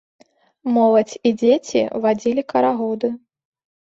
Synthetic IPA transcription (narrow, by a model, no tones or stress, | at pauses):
mɔlˠɐt͡sʲid͡zʲet͡sʲḭvad͡zʲilʲikɐɾaɣɔd̪ɨ